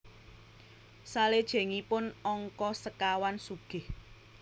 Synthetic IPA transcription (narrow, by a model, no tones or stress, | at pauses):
saled̥ʒ̥ɛ̤ŋipʊnɔŋkɔsəkawansuɡ̥ɪ̤h